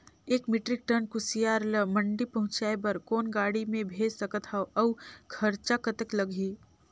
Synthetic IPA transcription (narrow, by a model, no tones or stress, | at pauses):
eːkmɪʈɾɪk̚ʈənkʊsijaːɾləmɐ̃ɳɖipɐɦʊ̃t͡ʃaːebɐɾkoːnɡaːɽimẽbʱeːd͡ʒsɐkət̪ʰaoʔɐwkʰɐɾt͡ʃakət̪əklɐɡʱiː